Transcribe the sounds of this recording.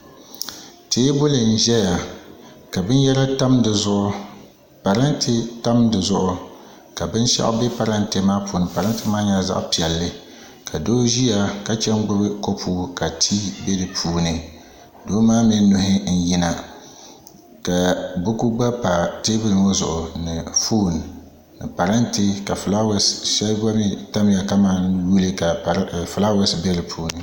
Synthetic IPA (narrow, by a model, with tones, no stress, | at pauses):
teː˦bʊ˦lɨ˨n̩˨ʒɛ˦ja˨ | ka˨bɨ˦n˦jɛ˦la˦ta˦mdɨ˨zʊ˦ʔʊ˦ | pa˨ɾa˦ntʰɪ˦ta˦mdɨ˨zʊ˦ʔʊ˦ | ka˨bɨ˦n˦ʃa̰˦ʔbe˦pa˦ɾa˦nte˨˦maː˦puː˨nɨ˨pa˨ɾa˦ntɨ˦maː˦ɲa˦za̰˦ʔpi˨ɛ˨lːɨ˦ | kʰa˨doː˦ʒi˦ja˨ka˦t͡ʃɛ˦ŋɡ͡bʊ˦bɨ˦ko˦pʰuː˨ka˨tʰiː˦be˦dɨ˨pʰuː˨˦nɨ˨ | doː˦maː˦mɛ˦nʊ˦hɪ˦n̩˦ji˦na˨ | ka˨bʊ˦ku˦ɡ͡ba˦pa˨te˦bɨ˦ɾŋo˦zʊ̰˨ʔʊ˨nɨ˨foː˦˨n | nɨ˨pa˨ɾa˦ntɪ˦ka˨fla˦wɪ˦ssa˦lba˦mi˦ta˦m˦ja˨ka˦maː˦nju˦lɨ˦ka˨˦fla˦wɛ˦sbe˦lɨ˨pʰuː˦nɨ˨